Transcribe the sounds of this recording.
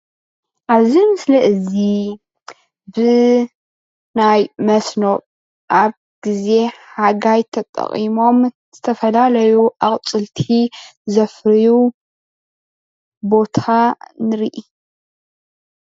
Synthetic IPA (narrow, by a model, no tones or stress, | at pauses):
ʔaβzimɨslɐʔɨzi | bɨ | najmɐsno̞ʔ | ʔaβ | ɡ̥ize̞ħaɡajt̪ʰɐt̪ʼɐ̰χʼimo̞m | z̥ɨt̪ʰɐfɐlalɐjuʔakʼt͡sʼɨlt̪ʰizɐfɾiju | bo̞t̪ʰanɨɾiʔi